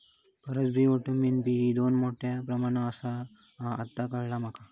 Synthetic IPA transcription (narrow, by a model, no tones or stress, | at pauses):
pəɾət͡sbʱioʈuminpiid̪onmoʈjapɾəmaɽ̃aəsaː | t̪ːakəɭlam̤aka